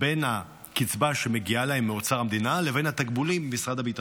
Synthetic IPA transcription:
benha | kit͡sbaʃeme̞ɡialahe̞mːeot͡saʁamd̪inalevenat̪ak̚bulimbemisʁad̪abit̪a

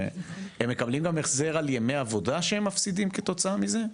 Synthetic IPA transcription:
hemːe̞kablimɡameχze̞ʁaljemejavo̞daʃehemːafsid̪imket̪o̞t͡saamize

